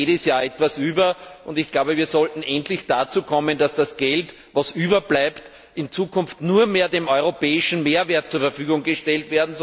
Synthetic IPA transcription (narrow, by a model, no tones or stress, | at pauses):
eːdəsjaːɛtvasyːbɐʔʊndɪçɡ̥laʊbəviːɐzɔltn̩ʔɛntlɪçd̥at͡suːkʰɔmənd̥asd̥asɡ̥ɛlt | vasʔyːbɐblaɪpt | ʔɪnt͡suːkʰʊnftnuːɐmeːɐdemɔʏʁopɛːɪʃn̩meːɐveːɐt̚t͡suɐfɛɐfyːɡʊŋɡəʃtɛltveːɐdn̩z